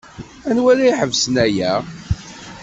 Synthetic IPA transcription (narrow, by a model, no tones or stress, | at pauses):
ænwælæiħəvsənæjæ